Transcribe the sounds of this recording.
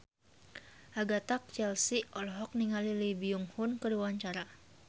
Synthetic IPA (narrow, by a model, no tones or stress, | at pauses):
ʔaɡat̪ak̚t͡ʃɛlsiɔlɔɦɔk̚niŋalilibiuŋhʊnkədiwaɲt͡ʃaɾa